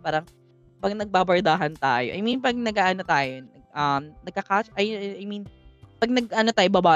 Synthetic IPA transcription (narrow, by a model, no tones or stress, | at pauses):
paːɾɐŋ | pɐɡ̚nɐɡ̚babɐɹd̪aːɦɐnt̪a̰ːjoʔɐ̰jminpɐɡ̚nɐɡʔaːʔɐnot̪aːjonɐɡ̚ʔɐmnɐɡ̚kɐkaːt͡ʃʔɐjɐjminpɐɡ̚nɐɡ̚ʔɐnot̪aːjobɐbaː